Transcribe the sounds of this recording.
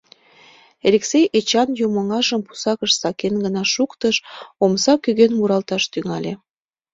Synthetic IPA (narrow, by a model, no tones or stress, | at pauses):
eɾeksejʔet͡ɕɑnjuməŋɑʒəmpu̥sɑkəʃsɑkenɡənɑʃukt̪əʃomsɑkyɣenmuɾɑlt̪ɑʃt̪yŋɑlʲe